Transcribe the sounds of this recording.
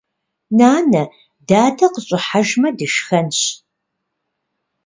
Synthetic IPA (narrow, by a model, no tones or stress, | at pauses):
naːnɐ | daːtʰɐqəɕʼɪħaʒmɐdɨʃxɐnɕ